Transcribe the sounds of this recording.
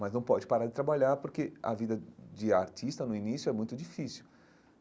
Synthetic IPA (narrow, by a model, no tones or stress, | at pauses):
mɐznɐ̃w̃pɔd͡ʒɪpaɾaɾd͡ʒɪt̪ɾabaʎaɾpoɾkeɐ̰vid̪ɐd͡ʒɪaɾt͡ʃist̪ɐnʊinisjʊɛmũj̃t̪ʊd͡ʒifisʊ